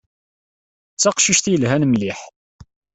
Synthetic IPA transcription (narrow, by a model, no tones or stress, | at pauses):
t͡sːɑqʃiʃθjəlɦænmliħ